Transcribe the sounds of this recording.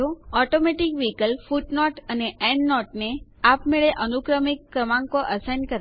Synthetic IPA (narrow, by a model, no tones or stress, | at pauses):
oɔʈomeʈikʋikəlfuʈnɔʈəneɛ̃ɳɖnɔʈneapmeɭeʔənukɾəmikːɾəmãŋkoʔəsajnkəɾ